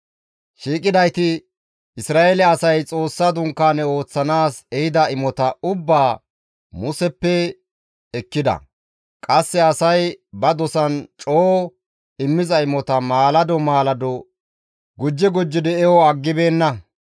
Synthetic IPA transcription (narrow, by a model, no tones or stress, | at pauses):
ʃiːkʼɪd̪ɐjt̪ɪ | ɪsɾaːʔelɛɐsɐjt͡sʼo̞ːsːad̪ʊŋkːaːnɛo̞ːt͡sːɐnaːsɛhɪd̪ɐɪmɔt̪ɐʊbːaː | mʊsɛpːɛ | ɛkːɪd̪ɐ̰ | kʼɐsːɛɐsɐjbɐd̪ɔsɐnt͡ʃʼoː | ɪmːɪzɐɪmɔt̪ɐmaːlɐd̪ɔmaːlɐd̪ɔ | ɡʊd͡ʒːɛɡʊd͡ʒːɪd̪ɛɛwɔɐɡːɪbe̞ːnːɐ